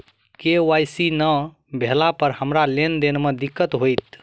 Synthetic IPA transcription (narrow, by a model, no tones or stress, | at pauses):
keajsinə | bʱelapəɾhəmɾalend̪enmed̪ikːət̪ɦojt̪